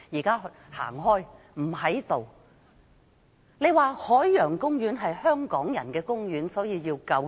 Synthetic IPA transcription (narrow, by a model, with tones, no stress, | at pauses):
jiː˨˩kaː˥ | ha̰ː˨˩ŋɦɔː˥j | m̩˨˩hɐ˨˥jt̪o˨˩w | ne˨˧jwaː˨hɔː˨˥jːœː˨˩ŋkʊ˥ŋɥyː˨˥nɦɐ˨jhœː˥ŋkɔː˨˥ŋjɐ˨˩nkɛː˧kʊ˥ŋjyː˨˥nsɔː˨˥jiː˧jiː˧wkɐ˧w